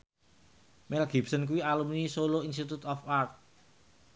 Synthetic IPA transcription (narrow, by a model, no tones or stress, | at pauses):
mɛlɡi̤bsənk̬uwialumnisoloinst̪it̪ut̪ɔfart̪̚